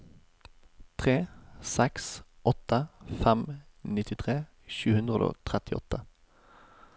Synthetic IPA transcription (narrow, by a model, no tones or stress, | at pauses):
t̪ʰʁeːsɛks | ɔt̪əfɛmnɪt̪ɪt̪ʰʁeː | ʃʉːhʉnd̪ʁəd̪o̰ːt̪ʰʁɛt̪ɪɔ̰t̪ə